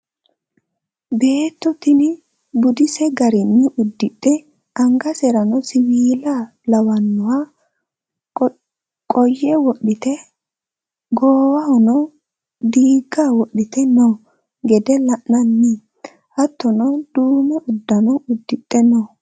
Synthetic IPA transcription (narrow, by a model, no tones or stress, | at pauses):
be̞ːt̪ːɔt̪ɪnɪ | bʊd̪ɪsɛɡɐɾɪnːɪʔʊd̪ːɪt̪ʼːɛ | ʔɐŋɡɐsɛɾɐnɔsɪmiːla | lɐwɐnːɔwa | kʼɔjːɛwɔɗɪt̪ɛ | ɡoːwɐhɔnɔ | d̪iːɡːaːwɔɗːɪt̪ɛnɔ | ɡɛd̪ɛlɐʔnɐnːi | ʔɐt̪ːɔnɔd̪̥uːmɛʔʊd̪ːɐnɔʊd̪ːɪt̪ʼːɛnɔ